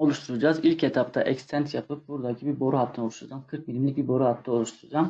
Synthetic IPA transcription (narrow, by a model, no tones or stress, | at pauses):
o̞lˠuʃt̪ʰuɾud͡ʒazilʲcʰɛt̪ʰap̚t̪ʰaʔɛkst̪ʰɛnt̪japɯp̚buɾd̪acʰibiɾbo̞ɾuɦat̪ʰːɯnouʃt̪uɾud͡ʒamkʰɯɾk̚minʲimlʲic̚biɾbo̞ɾuhat̪ʰːɯo̞lˠuʃt̪ʰuɾud͡ʒam